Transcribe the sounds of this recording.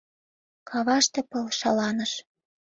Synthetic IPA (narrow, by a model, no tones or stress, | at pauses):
kʰɑβɑʃt̪ĕpɤlʃɑlɑnə̆ʃ